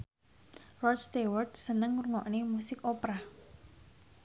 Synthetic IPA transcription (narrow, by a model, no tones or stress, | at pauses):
rɔst̪ewərd̪sənəŋɾuŋɔ̰ʔnemusɪkopɾa